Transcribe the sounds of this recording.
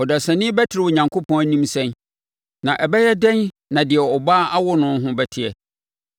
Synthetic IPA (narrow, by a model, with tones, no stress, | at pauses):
ɔ˨da˨sã˨nɪ̃˦bɛ˦tʰɪ˨ɾɪ˨wɔ˨ɲã˨ŋkʰo˦pʰɔ̃˦æ˦nĩ˦msɛ̃˦n | nã˨ʔɛ˨bɛ˦jɛ˦dɛ̃˦n | nã˨dɪ˨ɛ˨ɔ˨baː˦ʔa˦wʊ˦nʊ̃˦n˦ɦʊ̃˦bɛ˦tʰɪ˨ɛ˨